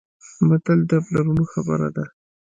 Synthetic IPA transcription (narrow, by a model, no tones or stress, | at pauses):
bad̪əld̪əplaɾunoxabə̰ɾa̰d̪a